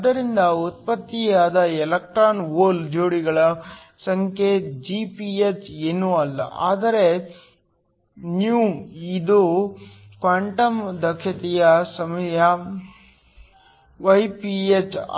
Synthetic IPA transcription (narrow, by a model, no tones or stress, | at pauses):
ɐd̪ɐɾind̪ɐut̪̚pɐt̪ːijaːd̪ɐɛlɐk̚ʈɾaːnoːld͡ʒoːɽiɡɐɭɐ | sɐŋkʰed͡ʒipiet͡ʃeːnuɐlːɐ̰a̰ːd̪ɐɾe | niuwid̪u | kʋaːɳʈɐmd̪ɐkʰːɐt̪ɛjɐsɐmɐjɐ | ʋɐjpiet͡ʃ